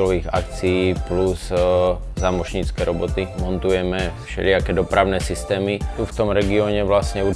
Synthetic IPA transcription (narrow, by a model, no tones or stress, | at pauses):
lɔʋiːɣa̰k̚t͡sijiːplus | zaːmɔʒɲiːt͡skɛːɾɔbɔt̪imɔnt̪ujɛmɛfʃɛ̰lɪakɛːd̪ɔpɾaʊnɛsist̪ɛːmit̪uft̪ɔmɾɛɡiɔɲɛʋlasɲɛu